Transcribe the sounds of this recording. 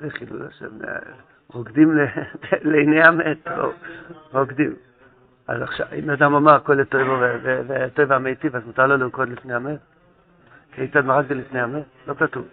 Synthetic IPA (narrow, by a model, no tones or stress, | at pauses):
zeχilṵla̰ʃḛvnḛ | ʁoɡd̪imleelejnejameto̰ʁoɡd̪im | a̰zaχʃavḭmad̪amamaʁkoletojvovevevetojvamejt̪ivazmut̪aʁloliukod̪lifnejamet | kiejt͡sad̪maʁak̚delifnejamet̚lo̞katuv